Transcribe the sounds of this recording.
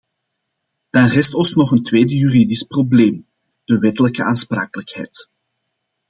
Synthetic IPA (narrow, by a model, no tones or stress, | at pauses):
d̥aːnrɛstɔsnɔχəntweːdəjyridɪsprobleːm | d̥əʋɛtələkəʔaːnspra̰ːkələkhɛ̰jt